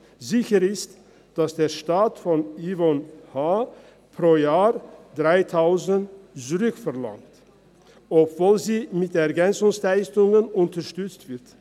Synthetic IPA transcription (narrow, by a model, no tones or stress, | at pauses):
zɪçəʁɪst | d̥asd̥eːɐʃtaːtfɔnivɔnhaː | pʁ̥oːjaːʁd̥ʁaɪtʰaʊzəntzuʁʏkfɛɐla̰ŋt | ʔɔpv̥oːlziːmɪtɛɐɡɛnt͡sʊŋslaɪstʊŋənʊntɐʃtʏt͡stv̥ɪʁt